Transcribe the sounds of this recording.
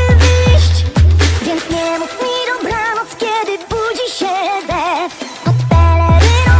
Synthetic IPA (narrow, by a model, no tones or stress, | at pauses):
viɕt͡ɕvʲjɛnt̪ɲɛmut͡smid̪ɔbɾanɔskʲjɛd̪ɪbud͡ʑiɕɛzɛ | ɔt̪pɛlɛɾɪɾ